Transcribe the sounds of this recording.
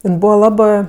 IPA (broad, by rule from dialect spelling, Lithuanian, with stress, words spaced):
ˈɪn ˈbuːʋɐ ˈlˠɑːbɜ